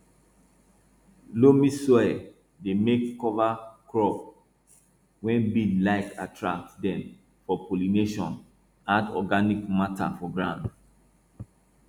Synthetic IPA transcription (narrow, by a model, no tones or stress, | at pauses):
lomisɔɛ | demekːɔvakɹɔp | wɛ̃nbidlaɪka̰tʰɹa̰k̚tdɛ̃m | fɔpolineʃɔ̃n | atɔ̰ɡanikmata̰fɔɡɹãnd